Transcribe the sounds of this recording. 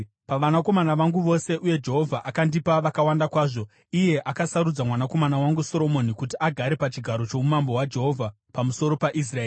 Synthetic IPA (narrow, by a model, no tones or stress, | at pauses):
paʋanako̞manaʋaŋɡuʋo̞se̞ʔuje̞d͡ʒe̞ɦo̞vʱaʔakandipaʋakawandakwaːʐo̞ | ije̞ʔakasaɾud͡zamwanako̞manawaŋɡuso̞ɾo̞mo̞nikutiaɡʱaɾe̞pat͡ʃiɡʱaɾo̞t͡ʃo̞mumambo̞wad͡ʒe̞ɦo̞vʱa | pamuso̞ɾo̞paʔis̬raeː